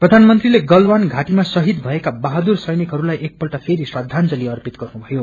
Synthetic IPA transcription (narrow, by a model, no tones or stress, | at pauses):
prʌd̪ʱanmʌnt̪rileɡʌlwanɡʱaʈimasʌɦid̪bʱʌekabaɦad̪ursʌjnikɦʌɾulajʔek̚pʌlʈapʰeɾiswad̪ʱːant͡sʌliʌrpit̪ɡʌrnubʱʌjo